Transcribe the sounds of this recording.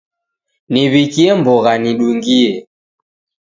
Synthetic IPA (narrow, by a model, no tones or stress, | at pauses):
niβikiɛmbɔɣaniɗuŋɡiɛ